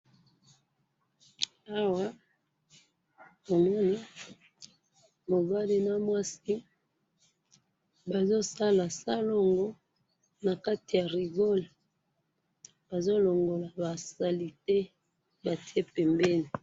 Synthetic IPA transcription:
a˦wa˦ | bo˨mɔ˦ni˦ | mo˨ɡa˦li˦na˦mwa˦si˦ | ba˨zo˦sa˦la˨sa˦lo˦ŋɡo˦ | na˨ka˦ti˨ja˨ʁi˨ɡo˦l | b̥a˨zo˦lo˨ŋɡo˨la˨ba˨sa˨li˨te˦ | ba˨ti˦e˦pɛ˨mbɛ˦ni˨

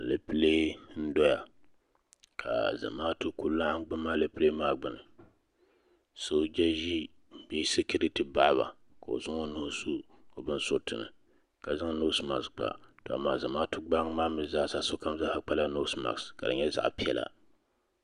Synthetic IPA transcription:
a˨lɨ˨pɨ˦le˦n̩˦dɔ˦ja̰˨ | kʰa̰˨za̰˨maː˦tɨ˦ku˦lla˦ɡ͡bɨ˦mːaː˦lɨ˨pɨ˦leː˦maː˦ɡ͡bɨ˨nɨ˨ | so˦d͡ʒɛ˦ʒi˦˨˦ | bɛ˦sɨ˦kɨ˦ɾɨ˦tɨ˨˦ba˦ʔβa̰˨ | ka˨o̰˨zʊ˦ŋo˦nʊ˨ʊ˦su˦ | o˨bɨ˦n˦so˦tɨ˨nɨ̰˨ | ka˨za˦ŋ˦no˦sma̰˨ksk͡pa̰˨to˨a̰˨maː˨za˨maː˦tʊ˦ɡ͡ba˦ŋ˦maː˦mɨ˦za˦˨sa˦so˦ka˦m˦za˦ha˦k͡pa˦la˦no˦sma̰˨kska˨dɨ̰˨ɲɛ˦za̰˦ʔpi˦ɛ˦la̰˨

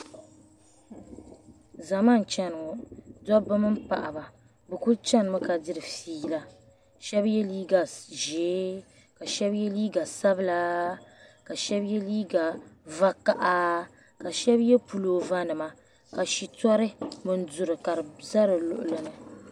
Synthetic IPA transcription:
za˨ma˦n˨t͡ʃɛ˦n˨dɔ˦bɨ˦mɨ˦m̩˦pa̰˨ʔa˨ba˨ | bɨ˨ku˦t͡ʃɛ˦nɨ˨mɨ˦ka˨dɨ˦ɾɨ˨fiː˦la˦ | ʃɛ˦bjɛ˦liː˦ɡa˨ʒeː˨˦ | ka˨ʃɛ˦bjɛ˦liː˦ɡa˨sa˦bɨ˦la˦ | ka˨ʃɛ˦bjɛ˦liː˦ɡa˨va˦ka˨ʔa˦ | ka˨ʃɛ˦bjɛ˦pu˨loː˨va˦nɨ˨ma˨ | ka˨ʃi˨tɔ˦ɾɨ˦mɨ˨n̩˦dʊ˨ɾɨ˨ka˨ɾɨ˨za˦ɾɨ˨lʊ˨ʔʊ˨lɨ˨nɨ˨

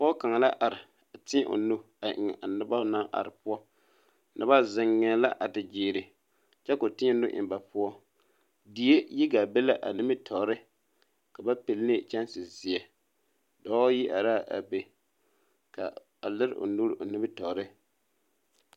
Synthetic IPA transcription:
pːka˨ŋa˨la˦ʔa˨ɾɪ˨ | a˨tɪ˦ʔo̰˨nu˦ | a˨ʔɪ̰˨ŋ˨ʔa˨nɨ˦ba˦na˦ʔa̰˨ɾɪ˨pʊ˦ɔ˦ | nʔɨ˦ba˦zɪ˨ŋːɛ˨la˦ʔa˨dɪ˨d͡ʒiː˨ɾɪ˨ | t͡ʃɛ˦kʊ˨tɪ˦ɲɛ˦nʊ˦ʔɪ̰˨mba˨pʊ˦ɔ˦ | di˨e˦ji˦ɡa˨be˦la˦ʔa̰˨nɪ˦mɪ˦tʰɔ˨˦ɾɨ˦ | ka˨ba˦pi˨lnɪ˦t͡ʃɛ˦nsɪ˨zɪ˨ɛ˨ | dɔː˦ji˦ʔa˨ɾaː˦˨ʔa̰˨be˨ | ka̰˨ | a˨lɪ˦ɾ̰ʔo̰˨nu˦ɾʔo˨nɪ˦bɪ˦tɔ˨ɾɪ˦

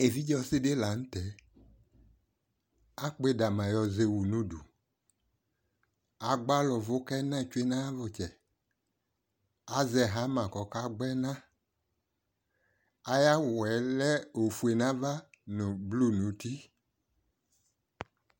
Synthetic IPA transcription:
e˨vi˦d͡ʒɔ˦˧sɪ˦de˦la˨n̩˦tɛ˨˦ | a˦k͡pe˦˨da˨mã˨jɔ˧ze˧wu˨nu˦dṵ˨ | a˨ɡ͡ba˦lɔ˨vʊ˦kɛ˦nã˦˨t͡ʃwe˦nã˦a˦vɔ˨t͡ʃɛ˨ | a˨zɛ˨ɦa˨˦mã˨kɔ˨ka˦ɡ͡bɛ˦nã˦ | a˨ja˦˨ɛ˨˦lɛ˦o˨fu˨e˨nã˦va˦nu˨blu˦˨nu˨˦ti˦

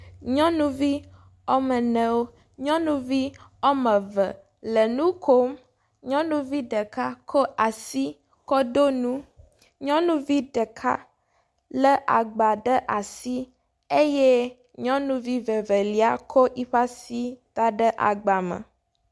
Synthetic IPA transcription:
ɲɔ̃˦nũ˦vi˦ | ɔ˦mə˨nə̃˦wo˦ | ɲɔ̃˦nũ˦vi˦o˦mə̃˨və˨ | lə˨nũ˦kʰo˦m | ɲɔ̃˦nũ˦vi˦ɖə˨ka˦kʰɔ˦a˨si˦ | kɔ˦d̪o˦nũ˦ | ɲɔ̃˦nũ˦vi˦ɖə˨kʰa̰˦ | lə˦ʔa̰˨ɡ͡ba˨ɖə˦ʔa˨si˦ | e˦je˦ | ɲɔ̃˦nũ˦vi˦və˨və˨li˨a˦kʰɔ˦ʔi˦ɸa˦si˦d̪̥a˦ɖə˦ʔa̰˨ɡ͡ba˨mə̰˨

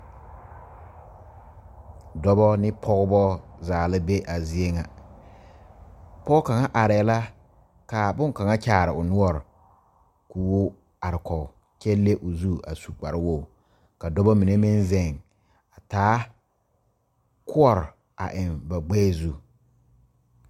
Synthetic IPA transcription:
dɔ˦bɔ˦nɪ˦pʰɔ˦ɣʊ˦bɔ˦zaː˨lɪ˦be˦ʔa˨zi˦e˦ŋa˨ | pɔ˦ʊ˦ka˨ŋa˦ʔa˨ɾɪ˨ɛ˨la˦ | ka˨bʊ˦ŋ˨ka˨ŋa˦t͡ʃaː˦˨ɾɪ˨ʊ˨nʊ˦ɔ˨ɾ | kuː˨wo˦ | a˨ɾɪ˨kɔ˨ | t͡ʃɛ˦lːe˦ʔʊ˨zu˦a̰˨su˨k͡pa̰˨ɾɪ˦wo˦˨ | ka˨dɔ˦bɔ˦mi˨ne˦mɪ˦nzɛ˦˨ŋ | a˨taː˨˦ | kʰʊ˦ɔ˦˨ɾ | a̰˨ʔɪ˨nba˨ɡ͡bɛː˦˨zu˦

